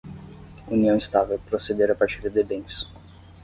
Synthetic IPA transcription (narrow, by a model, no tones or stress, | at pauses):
uniɐ̃w̃ist̪avewpɾosed̪eɾapaɾt͡ʃiɾd̪ebẽj̃s